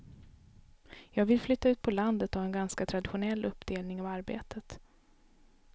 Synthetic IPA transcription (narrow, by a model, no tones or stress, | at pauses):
jɑːɡvɪlflʏt̪ːaʉ̟ːt̪̚pʰɔland̪ət̪avɛnɡanskat̪ʰɾad̪ɪɧʊnɛlːʔɵpːd̪eːlnɪŋavaɾbḛːt̪ət̪